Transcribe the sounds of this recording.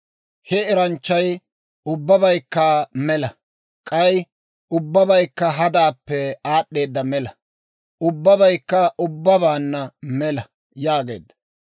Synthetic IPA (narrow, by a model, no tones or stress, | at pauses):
hɛɛɾɐnt͡ʃːɐj | ʊbːɐbɐjkːamɛlɐ | kʼɐj | ʊbːɐbɐjkːɐɦɐd̪aːpːɛaːɗːe̞ːd̪ːɐmɛlɐ | ʔʊbːɐbɐjkːɐʔʊbːɐβaːnːɐmɛlɐ | jaːɡe̞̰ːd̪ːɐ̥